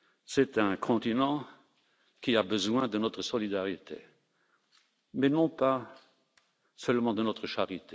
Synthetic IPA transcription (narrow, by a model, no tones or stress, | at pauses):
sɛt̪ɛ̃kʰɔ̃t̪inɑ̃ | kiabəzwɛ̃d̪ənɔt̪χəsɔlid̪aʁit̪ḛ | mɛnɔ̃pa | sœlmɑ̃d̪ənɔt̪χəʃaʁit̪e